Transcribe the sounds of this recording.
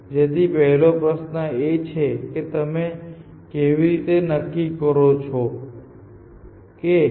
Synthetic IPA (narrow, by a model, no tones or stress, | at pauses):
d͡ʒet̪ipɛɦlopɾəsnəet͡ʃʰeket̪əme | keʋiɾit̪enəkːikəɾot͡ʃʰo | ke